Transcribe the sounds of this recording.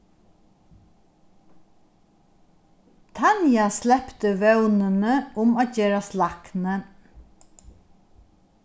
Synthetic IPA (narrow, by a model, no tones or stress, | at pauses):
t̪ʰɑnjaslɛpt̪əʋœʉnənəʊmaːçeːɾaslɑknə